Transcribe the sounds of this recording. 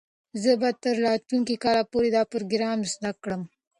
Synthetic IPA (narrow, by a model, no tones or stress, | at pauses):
zəbɑt̪əɾlɑt̪luŋkikɑlapoɾed̪ɑpɾoɡɾɑmzd̪akːɽəm